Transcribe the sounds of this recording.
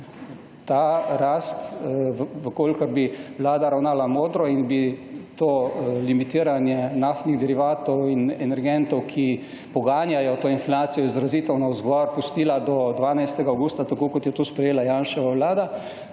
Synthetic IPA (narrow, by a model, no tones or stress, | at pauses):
t̪aːɾast̪ | ʋəkoːlkəɾbiʋlaːd̪aɾawnaːlamoːd̪ɾɔinbit̪oːlimit̪iːɾanjɛnaft̪niɣd̪ɛɾiʋaːt̪ɔwinɛnɛɾɡɛnt̪ɔwkʰi | pɔɡaːnjajɔt̪oːinflaːt̪sijɔizɾaziːt̪ɛwnɔzɡɔɾpust̪iːlad̪ɔd̪ʋaːnajst̪ɛɡaawɡuːst̪at̪akoːkɔt̪jɛt̪uspɾɛjeːlajaːnʃɛʋaʋlaːd̪a